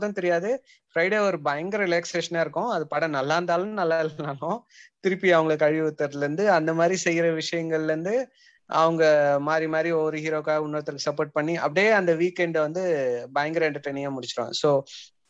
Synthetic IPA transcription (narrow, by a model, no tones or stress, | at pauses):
ðɐ̃t̪ɛɾɪjaːðɯ | fɾɐɪɽeːɔɾɯbɐjɐŋɡɾɪleːkseːʂɐnaːɪɾɯkːʊ̃ɐðɯpɐɽɐ̃nɐlːaːnd̪aːlʊ̃nɐlːaːɪllãːlõ | t̪ɪɾɯpːiɐʋɐŋɡɐɭkːɐɻɪʋɯt̪ːɐɾðɪlɾɯnd̪ɯɐnd̪ɐmaːd̪ɾisɛjːɪɾɐʋɪʂɐjɐŋɡɐɭɾɯnd̪ɯ | ʔɐ̰ʋɐŋɡɐmaːd̪ɾimaːd̪ɾiɔɾɯhiːɾoːkaːʊnːɐɐt̪ːɪɾkːɯsɐpːoːʈ̚pɐɳːiɐ̰pːɐɽɪjeːɐnd̪ɐʋiːkːɛɳɖʋɐnd̪ɯbɐjɐŋɡɾɛɳʈɐɾʈɐɪnɪŋaːmʊɽɪt͡ʃːɪɾõ̰ːsoː